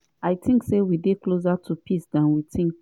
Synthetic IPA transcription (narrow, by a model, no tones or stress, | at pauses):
aɪtʰĩŋksewideklosatʰupʰisdãnwitʰĩŋk